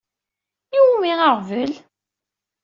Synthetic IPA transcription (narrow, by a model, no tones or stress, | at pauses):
iwumiʁaʁvəl